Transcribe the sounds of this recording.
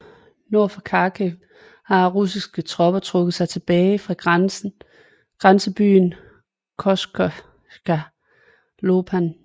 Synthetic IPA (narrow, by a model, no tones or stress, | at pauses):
no̝ɐ̰fɒkʰɑ̈ːkʰe | hɑ̈ʁus̬isɡ̥ət͡sʰʁɒ̽b̥ɐt͡sʰʁɔ̽ɡ̥ð̩ˠsɑ̈ɪt͡sʰe̝b̥ɛːɪfʁɑ̈ɡ̥ns | ɡ̥ʁansəb̥y̰ːn | kʰɒsɡ̥ | ɡ̥æ | lob̥ʰæn